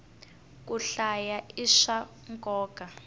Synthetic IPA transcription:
k̬ʼuɬajaiʃa | ŋkʼɔːka

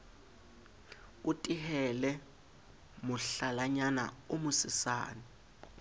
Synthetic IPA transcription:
utʼiɦɛlɛ | muɬalaɲana̰umusisa̰ːni

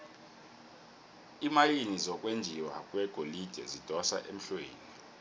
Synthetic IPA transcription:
imajinizɔk̬ʼwend͡ʒʱiwa̰kʼwɛɡ̥ʱolid̥ʱɛzid̥ʱɔsa̰ʔem̩ɬweːni

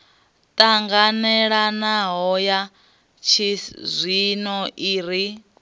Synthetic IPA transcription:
tʼaŋɡanɛɺanaɦɔja | t͡ʃʰizʷinɔʔiːɾi

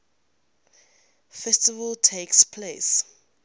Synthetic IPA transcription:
fɛstivəltʰekspʰles

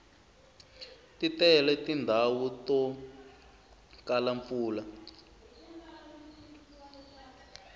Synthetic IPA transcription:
titɛlɛtindʱawutɔ | kalaɱfuːla

